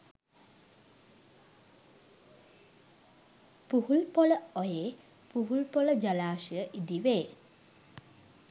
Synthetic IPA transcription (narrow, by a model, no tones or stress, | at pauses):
puɦulpɔləɔjeː | puɦulpɔləd͡ʒalaːʃijəʔid̪iʋeː